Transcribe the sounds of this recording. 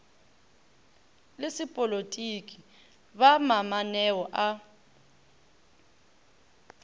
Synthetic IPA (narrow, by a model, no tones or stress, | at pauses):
lɪsipʼolotʼikʼi | βamamanɛwɔʔa